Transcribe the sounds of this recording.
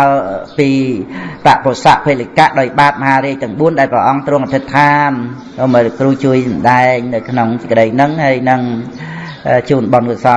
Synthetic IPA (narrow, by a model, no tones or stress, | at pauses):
əpiːt̪aʔpʰosaʔpʰeːlikaʔɗaɔjɓaːt̪̚məɦaːɾiəc̚t̪ɛəŋɓuənɗaɛlprəʔɑŋt̪rʊ̆əŋʔat̪ʰɨt̪ʰːaːnː | məkruːt͡ɕuəjsɑmɗaɛŋnɨwkʰnoŋsəkə̆ɗəjnɨŋhajnɨŋ | t͡ɕuːnɓɑnkuəsɑ